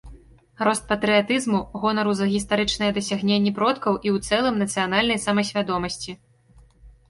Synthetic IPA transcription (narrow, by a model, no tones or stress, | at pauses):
ɾɔst̪̚pɐt̪ɾɨjat̪ɨzmuɣɔnɐɾuzɐɣʲist̪aɾɨt͡ʂnɐjɛd̪ɐsʲaɣnʲenʲːɛpɾɔt̪kɐwʔiwt̪sɛlˠɨmnɐt̪sɨjan̪alʲnɐjsɐmɐsʲvʲad̪ɔmɐsʲt͡sʲi